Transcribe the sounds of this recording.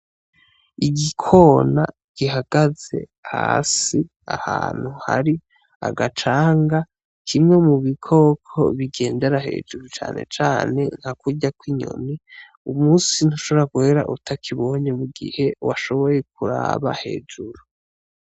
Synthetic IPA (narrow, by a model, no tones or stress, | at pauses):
iɡikʰo̞ːna̰ | ɡ̥iɦaɡ̥aze̞̰ | ha̰ːsi | a̰ha̰ːn̥huha̰ɾi | a̰ɡat͡ʃaːŋɡa | kʰimŋe̞muβikʰo̞kʰo̰βiɡe̞ːnde̞ɾahe̞̰ːd͡ʒuɾut͡ʃa̰ːne̞̰t͡ʃaːne̞nhakuɟakwiɲo̰ni | umuːsin̥uʃoβoɾakuheɾa̰ʔutakʰiβo̞ɲemuɡḭhe̞waʃo̞βo̞je̞k̚uɾa̰βa̰he̞̰ːd͡ʒuɾu